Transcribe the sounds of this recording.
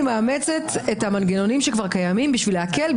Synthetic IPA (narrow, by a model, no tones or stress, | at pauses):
maːme̞t͡setethamanɡeno̞nimʃekvaʁkajamimbiʃvileake̞l